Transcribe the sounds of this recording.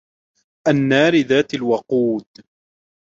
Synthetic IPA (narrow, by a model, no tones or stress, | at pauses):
ʔanːaːɾɪðaːt̪alwɑquːd̪